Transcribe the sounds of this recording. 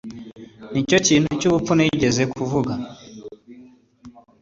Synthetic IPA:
nit͡ʃɔt͡ʃin̥ut͡ʃuβupunɛid͡ʒɛzɛkuvuɡa

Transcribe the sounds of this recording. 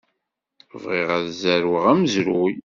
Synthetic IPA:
əvʁiʁaðzæɾwəʁæməzɾuj

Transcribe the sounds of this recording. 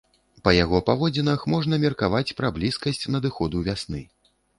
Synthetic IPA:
pɐjaɣɔpavɔd͡zʲinɐxmɔʐnɐmʲɛrkavat͡sʲpɾɐblʲiskɐsʲt͡sʲnɐd̪ɨxɔd̪uvʲasnɨ

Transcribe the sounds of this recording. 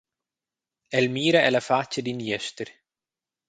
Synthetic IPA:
ɛlmiːɾaɛlafat͡ʃːəd̪injɛst̪ɪɾ

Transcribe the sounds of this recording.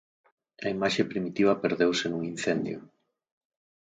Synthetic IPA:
ɐimaʃepɾimit̪iβɐpeɾðewsenuŋin̟θend̪jʊ̰

